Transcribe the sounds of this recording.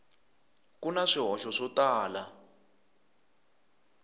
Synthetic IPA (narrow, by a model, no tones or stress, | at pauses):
kunaʂiɦɔʃɔʂɔtaːla